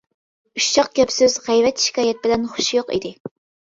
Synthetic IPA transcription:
yʃt͡ʃʰɑq̚ɡʲɛpsɪzʁɛjvɛt̪ʃi̥kʲɑːjɛt̪̚bɪlɛnχʊ̥ʃjoqḭd̪ɪ

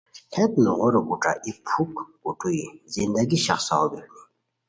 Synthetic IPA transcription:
hɛt̪̚nuʁɔɾɔkʼuʈ͡ʂʼa̰ʔipʰukkuʈʰʼuizind̪aɡiʃa̰χsa̰ɔb̪ɛhni

